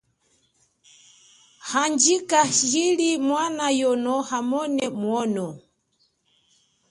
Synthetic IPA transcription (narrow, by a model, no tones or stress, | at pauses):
hand͡ʒikahilimwanajɔnɔhamɔnɛmwɔnɔ